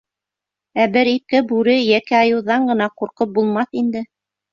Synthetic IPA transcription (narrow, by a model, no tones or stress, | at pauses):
æbɘɾik̚kɘbʉɾɘjækæɑjɤ̆wðɑɴɢɤ̆nɑquɾqɤp̚bulˠmɑθind̪ɘ